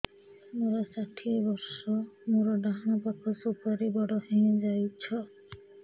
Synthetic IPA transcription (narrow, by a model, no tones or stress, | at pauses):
moɾɔsaʈʰiebɔɾsɔmoɾɔɖaɦɽ̃ɔpakʰɔsupaɾibɔɽɔhẽd͡ʒajt͡ʃʰɔ